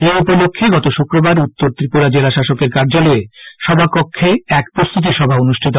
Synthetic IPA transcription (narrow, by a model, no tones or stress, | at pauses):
eupolokʰːeɡɔt̪oʃukɾobaɾut̪ːoɾt̪ɾipuɾad͡ʑelaʃaʃokeɾkaɾd͡ʑalɔeʃɔbʱapokʰːeɛkpɾost̪ʰut̪̬iʃɔbʱaonuʃʈʰit̪̬o